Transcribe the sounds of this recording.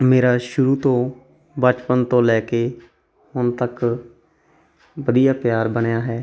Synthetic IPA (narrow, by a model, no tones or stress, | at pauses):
meːɾaːʃʊɾuːt̪õː | bət͡ʃpənt̪õːlɛːkeː | hʊnt̪ək | ʋəd̪ijaːpjaːɾbənejaːɦɛː